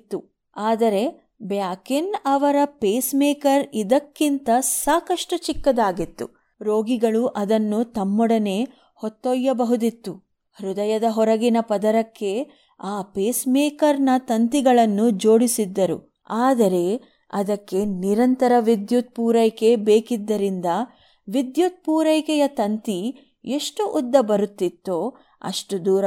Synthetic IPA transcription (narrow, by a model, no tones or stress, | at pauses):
t̪ːu | aːd̪ɐɾe̞ | bjaːkinɐʋɐɾɐpeːsmeːkɐɾid̪ɐkːint̪ɐsaːkɐʂʈɐt͡ʃikːɐd̪aːɡit̪ːṵ | ɾoːɡiɡɐɭuʔɐd̪ɐnːut̪ɐmːɔɽɐne̞ː | hɔt̪ːɔjːɐbɐɦud̪it̪ːu | hɾud̪ɐjɐd̪ɐɦɔɾɐɡinɐpɐd̪ɐɾɐkːe̞ | aːpeːsmeːkɐɾnɐt̪ɐnt̪iɡɐɭɐnːud͡ʒoːɽisid̪ːɐɾṵ | aːd̪ɐɾe̞ | ɐd̪ɐkːe̞niɾɐnt̪ɐɾɐʋid̪jut̪̚puːɾɐjkebeːkid̪ːɐɾind̪ɐ | ʋid̪jut̪̚puːɾɐjkɛjɐt̪ɐnt̪i | e̞ʂʈuʔud̪ːɐbɐɾut̪ːit̪ːoː | ɐ̰ʂʈud̪uːɾɐ